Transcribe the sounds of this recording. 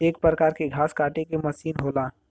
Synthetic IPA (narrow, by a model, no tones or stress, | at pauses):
eːk̚pɾəkaːɾkeɡʱaːskaːʈekemɐsiːnɦoːlaː